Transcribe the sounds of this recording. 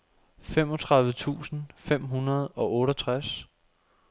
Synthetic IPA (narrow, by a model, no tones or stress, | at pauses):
fem̰ɒ̽t͡sʰʁɑ̈ðˠʋət͡sʰṵːsn̩fem̰ɦunɐð̞̩ˠɒ̽ʔɔ̽ːɾət͡sʰʁas